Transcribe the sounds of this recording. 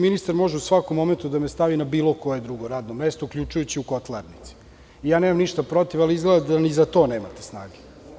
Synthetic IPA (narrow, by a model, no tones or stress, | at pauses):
minist̪aɾmo̞ʒeusʋakomːo̞ment̪ud̪amest̪aʋinabiːlo̞ko̞jed̪ɾuɡo̞ɾaːd̪nomest̪oukʎʲut͡ʃujut͡ɕiukot̪leɾnit̪si̥ | ijaːneːmamniʃt̪apɾo̞t̪ivaliizɡled̪aanizat̪o̞ːneːma̰t̪e̥sna̰ːɡe